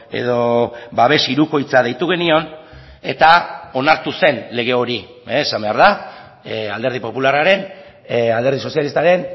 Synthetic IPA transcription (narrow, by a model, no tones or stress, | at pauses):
e̞̰ðo̞baβ̞e̞siɾuko̞jt͡sað̞e̞jt̪uɣ̞e̞nio̞n | e̞t̪ao̞naɾt̪use̞nle̞ɣ̞e̞o̞ɾi | eːsambe̞aɾða | ald̪e̞ɾðipo̞pularaɾe̞n | ald̪eɾð̞iso̞sjalist̪aɾe̞n